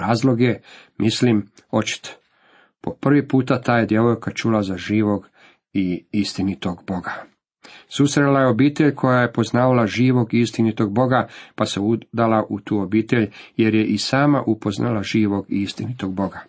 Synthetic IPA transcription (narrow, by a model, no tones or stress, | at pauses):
ɾaːzlˠo̞ɡje̞mislimo̞t͡ʃi̥t̪o̥ | po̞pr̩ʋipuːt̪at̪aːjed̪je̞ʋojkat͡ʃulazaʒiːʋo̞ɡ | iist̪init̪o̞ɡbo̞ɡa | susɾelajeo̞biːt̪eʎkʰo̞jaje̞po̞znaːʋalaʒiːʋo̞ɡist̪init̪o̞ɡ̚bo̞ɡapase̞ud̪alaʔut̪uːobiːt̪e̞ʎje̞ɾje̞ʔisaːmaʔupo̞znʔa̰laʒiːʋo̞ɡist̪init̪o̞ɡ̚bo̞ɡa